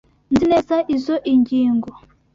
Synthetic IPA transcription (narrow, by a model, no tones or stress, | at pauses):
nzineːzaʔizoʔiɲɡiːŋɡo